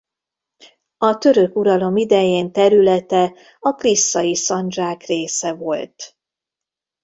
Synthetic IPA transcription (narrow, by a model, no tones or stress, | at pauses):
ɒt̪ø̞ɾø̞kuɾɒlo̞mid̪ɛjeːnt̪ɛɾylɛt̪ɛ | ɒklisːɒjisɒnd͡ʒaːkreːsɛvo̞lt̪